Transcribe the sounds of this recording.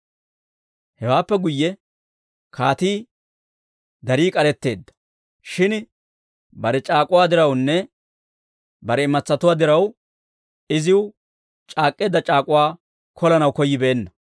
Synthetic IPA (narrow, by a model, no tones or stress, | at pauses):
hɛwaːpːɛɡʊjːɛ | kʰaːt̪iː | d̪ɐɾiːkʼɐɾɛt̪ːe̞ːd̪ːɐ̥ | ʃɪn | bɐɾɛt͡ʃʼaːkʼʊwaːd̪ɪɾɐwnːɛ | bɐɾɛɪmɐt͡sːɐt̪ʊwaːd̪ɪɾɐw | ɪzɪw | t͡ʃʼaːkʼːeːd̪ːɐt͡ʃʼaːkʼʊwaː | kʰɔlɐnɐwkɔjːɪbe̞ːnːɐ